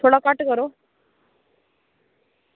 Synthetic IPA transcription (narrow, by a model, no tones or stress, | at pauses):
t̪ʰoɽakaʈkəɾo